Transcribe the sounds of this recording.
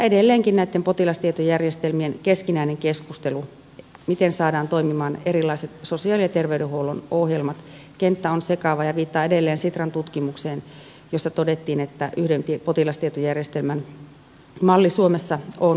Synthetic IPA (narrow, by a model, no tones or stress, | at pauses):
edelːeːŋkinnæit̪ːempot̪ilɑst̪iet̪ojærjest̪elmienkeskinæineŋkeskust̪elu | mit̪ensɑːdɑːnt̪oimimɑːnerilːˑɑiset̪sosiɑːlijɑt̪erʋeydɾehuowlunohjelmɑt̪kent̪ːæonsekɑʋɑjɑʋiːt̪ːɑːedelːeːnsit̪rɑnt̪ut̪kimukseːn | josːɑt̪odet̪ːiːnet̪ːæʔyhdent̪ipot̪ilɑst̪iet̪ojærjest̪elmæn | mɑlːisuomesːɑon